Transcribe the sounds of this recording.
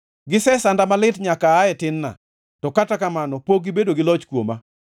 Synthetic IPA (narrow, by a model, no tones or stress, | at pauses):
ɡɪsɛsandamalɪtɲakaːɛtɪnːa̰ | tɔkatakamanɔpoɡ̚ɪbedoɡɪlɔt͡ʃkwoma